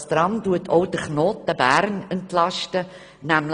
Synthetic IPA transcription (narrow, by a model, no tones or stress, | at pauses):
st̪ɾɑmduətʰɔʊdəɾχnoːtəbæɾnəntlɑʃtə | næml